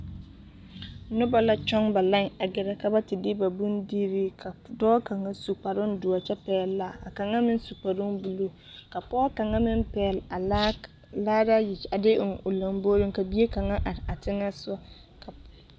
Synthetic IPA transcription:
nʊ˦ba˨la˦t͡ʃɔ˦ŋba˨la˦ŋa˨ɡɪ˨ɾa˦ka˦ba˦tɪ˨dɪ˦ba˨bu˦ndiː˦ɾi˦kʰa˨dɔː˦ka˨ŋa˦su˨k͡pa˨ɾʊ˦n˦dʊ˨a˨t͡ʃɛ˦pɛː˦lla˨a˨ka˨ŋa˦mɪ˦n˦su˨k͡pa˨ɾʊ˦ŋbu˨lu˦ | ka˨pɔː˦ka˨ŋa˦mɪ˦mpɛː˨la˨ | laː˦da˦jɪ˨a˨dɪ˦ŋʊ˨la˨m˦bo˦ɾɪ˦ŋka˨bi˦e˦ka˨ŋa˦ʔa˨ɾɪ˨a˨tɪ˦ŋa˦sa˦ | ka˨

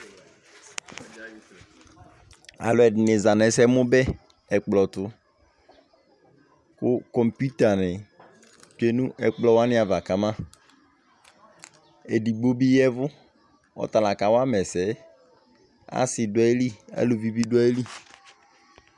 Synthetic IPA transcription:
a̰˨lʊ˨ɛ˨dɪ˨nɪ˨za˨nɛ˨˦sɛ˦mʊ˦bɛ˦ | ɛ˨k͡plɔ˨tʊ˦ | kʊ˦kɔ˨mpu˦t̪a˨nɪ˨ | tu˦e˦nũ˦ʔɛ˨k͡plɔ˦wa˦nɪ̃˦a˨va˨ka˨mã˦ | e˨di˨ɡ͡bo˦bi˦jɛ˦vʊ˦ | ɔ̰˦t̪a˨la˨ka˨wa˦mɛ˨sɛ˨˦ | a̰˦sɪ˨dʊ˨ɛ˦li˦a̰˨lu˨vi˦bi˦dʊ˦a˦e˦li˦

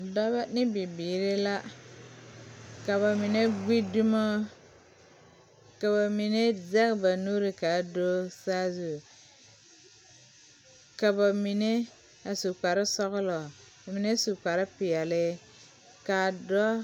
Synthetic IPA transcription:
dɔ˦ba˦nɪ˦bi˨biː˨ɾɪ˦la˦ | ka˨βa˨mi˨ne˦ɡ͡bi˦du˦ma˦ | ka˨βa˨mi˨ne˦zɛ˦kba˨nu˦ɾɪ˨ka˨˦do˦saː˦zu˨ | ka˨ba˨mi˨ne˦ | a˨su˨k͡pa˨ɾɪ˦sɔ˦ɣʊ˦lɔ˨ | mi˨ne˦su˨k͡pa˨ɾɪ˦pɪ˨ɛ˨lɪ˦ | ka˨dɔ˦

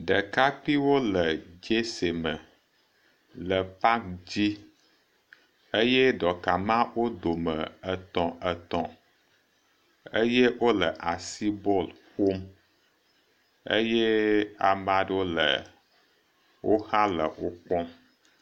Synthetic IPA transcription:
ɖə˨ka˦k͡pi˦wo˦lə˨d͡ʒe˦se˨mə˨ | lə˨pa˦kd͡ʑi˦ | ə˦jɛ˦ɖɔ˨ka˨mã˦wo˦d̪o˨mə˨ə˨t̪ɔ̃˨ʔə˨t̪ɔ̰̃˨ | ə˦je˦wo˦lə˨ʔa˨si˦bɔ˦lɸo˦m | ə̰˦jɛ˦a˨mã˨ɖwo˦lə̰˨ | wʔo˦hã˦lə̰˨wo˦k͡pɔ˦m

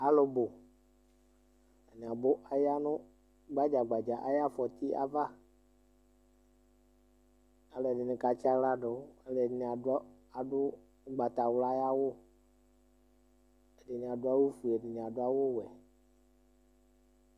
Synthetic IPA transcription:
a˨lʊ˨bʊ˨ | e˨nɪ˨a˨bʊ˦ʔa˦ja˦nʊ̃˦ | ɡ͡ba˦d͡ʒa˨ɡ͡ba˨d͡ʒa˨ʔa˨ja˦fɔ˨t̪i˦ʔa̰˦va˦ | a˨lɛ˨dɪ˨nɪ˨ka˨t͡ʃa˦la˦ɖʊ˨˦a˨lɛ˨dɪ˨n˨a˨d | a˨dʊ˦ | ɡ͡ba˨t̪a˨wla˦ja˦wʊ˦ | e˨dɪ˨nɪ̃˨a˨dʊ˦a˦wo˦fu˨ɛ˨dɪ˨n˨ã˨dʊ˦a˦wʊ˦wɛ˨

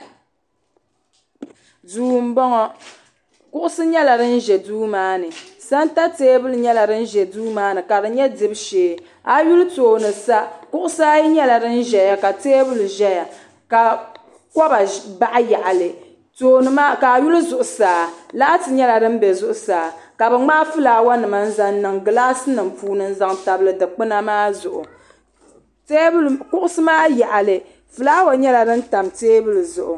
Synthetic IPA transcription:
duː˨˦˨m̩˦bɔ˦ŋɔ˦ | kʊ˦ʔʊ˦sɨ˦ɲɛ˦la˨dɨ˦n̩˦ʒɛ˨duː˦maː˦nɨ˨sa˦nta˦teː˦bɨ˦lɲɛ˦la˨dɨ˦n̩˦ʒɛ˨duː˦maː˦nɨ˨ka˨dɨ˨ɲɛ˦dɨ˦bʃeː˨˦ | a˨ju˦ltoː˨nɨ˨sa˦kʊ˦ʔʊ˦sa˦ji˦ɲɛ˦la˨dɨ˦n̩˦ʒɛ˨ja˦ka˨teː˦bɨ˦lʒɛ˦ja˨ | ka˨ | kɔ˦ba˨ba˦ʔa˦ja˨ʔa˨lɨ˨ | toː˦˨nɨ˦ma˦ka˨ju˦lɨ˦zʊ˨ʔʊ˨saː˨laː˦tɨ˨ɲɛ˦la˨dɨ˦m˦bɛ˨zʊ˦ʔʊ˨˦saː˨ka˨bɨ˨ŋ͡ma˦fɨ˦laː˨wa˦nɨ˨ma˨n̩˦za˨ŋnɨ˨ŋɡɨ˨laː˦sɨ˦nɨ˨m˨puː˦nɨ˦n̩˦za˦ŋta˨bɨ˨lɨ˨dɨ˨k͡pɨ˦na˦maː˦zʊ˨ʔʊ̰˨ | te˦bkʊ˦ʔʊ˦sɨ˦maː˦ja˨ʔa˨lɨ˨ | fɨ˨laː˦wa˨ɲɛ˦la˨dɨ˦n̩˦ta˨mteː˦bɨ˦lɨ˨zʊ˨ʔʊ̰˨

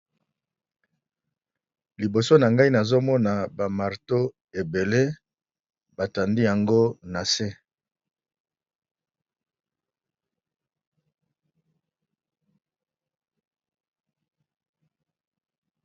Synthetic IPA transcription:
li˨bo˨so˦na˨ŋɡa˦i˦na˨zo˦mɔ˦na˨ba˨ma˨ʁto˦ | e˨be˨le˦ | ba˨ta˨ndi˦ja˨ŋɡo˦na˨se˦

